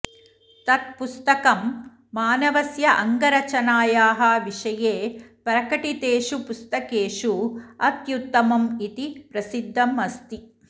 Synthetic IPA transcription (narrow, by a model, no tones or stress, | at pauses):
t̪ɐt̪̚pust̪ɐkɐmː | aːnɐʋɐsjɐʔɐŋɡɐɾɐt͡ʃɐnaːjaːɦɐʋiʂɐjeːpɐɾɐkɐʈit̪eːʂupust̪ɐkeːʂuɐt̪jut̪ːɐmɐmit̪ipɾɐsid̪ʱːɐmɐst̪i